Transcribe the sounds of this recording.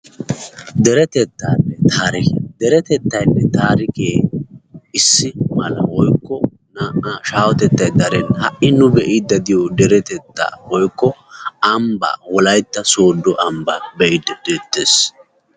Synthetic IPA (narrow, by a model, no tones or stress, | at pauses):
d̪ɛɾɛt̪ɛt̪ːaːnːɛt̪ʰaːɾɪkḛd̪̥ɛɾɛt̪ɛt̪ːɐjnːɛt̪aːɾɪkeː | ɪsːɪmɐlɐ̰wɔjkːɔ | naʔʃaːwɔt̪ɛt̪ːɐjd̪ɐɾɛnhɐʔɪnʊbɛʔɪd̪ɐd̪ɪjod̪ɛɾɛt̪ɛt̪ːa̰ːwɔjkːɔɐmba̰ːwɔlɐjt̪ːɐso̞ːd̪ːɔʔɐmba̰bɛjɪd̪ɛd̪̥eːt̪ːeːs